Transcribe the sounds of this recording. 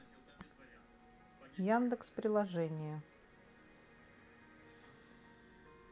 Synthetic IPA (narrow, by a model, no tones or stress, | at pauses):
jand̪əkspɾʲɪlˠɐʐɛnʲɪjə